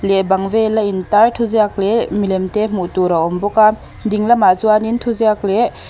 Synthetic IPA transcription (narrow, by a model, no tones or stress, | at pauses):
lebaŋvelaintaɾtʰuzeak̚lemilemtem̥utuɾaɔmbɔka | diŋlamazuanintʰuzeakle